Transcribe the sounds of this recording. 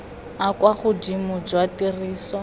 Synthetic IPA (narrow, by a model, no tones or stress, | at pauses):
akwaχʊdimʊd͡ʒwatiriːsɔ